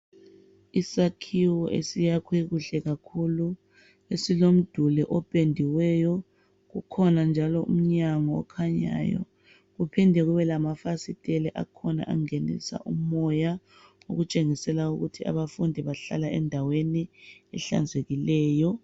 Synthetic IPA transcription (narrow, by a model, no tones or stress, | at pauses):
isakʰiwɔʔḛsijakʰɔiɣuɬɛɣakʰulu | esilom̩d̥ʱulɛʔɔpʼendʱiwɛjɔ | ɣukʰɔnand͡ʒʱalɔʔṵm̩ɲaŋɔ̰ːkʰaɲa̰ːjɔ̰ | ɣupʰindʱɛɣuβɛlamafasitʼɛlɛʔa̰kʰɔna̰ʔaŋenḭsa̰ʔumɔja | o̰ɣut͡ʃʼeŋisɛlauɣutʰia̰βafundʱiβaɬa̰laɛ̰ndʱaweniɛɬa̰nd͡zʱeɣilɛːjɔ